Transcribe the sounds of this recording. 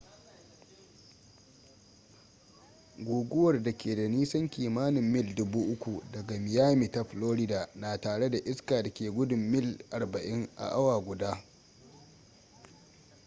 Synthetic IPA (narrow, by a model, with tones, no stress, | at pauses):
ɡʷuː˨ɡʷʊ˦wɐ˨rda˨kʲeː˨da˨niː˦sɐ˦ŋkʲiː˨maː˦nɪ˨mːɪ˦ldʊ˦buː˦ʔʊ˦kʷu˨dɐ˨ɡa˨mɪ˨jaː˦miː˨ta˦ɸloː˦ɾɪ˦daː˨naː˨taː˨ɽe˦da˨ʔɪ˦skaː˨da˨kʲeː˨ɡʷʊ˦dʊ˨mːɪ˦˨lʔa˨rbɐ˨ʔɪ˦ŋʔa̰˨ʔa˦waː˨ɡʷʊ˨daː˦